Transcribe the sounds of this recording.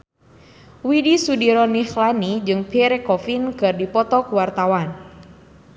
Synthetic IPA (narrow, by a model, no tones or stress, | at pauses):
widisudiɾɔnixlanid͡ʒɨŋpɛɾɛkɔfinkɨrdipɔt̪ɔkuwart̪awan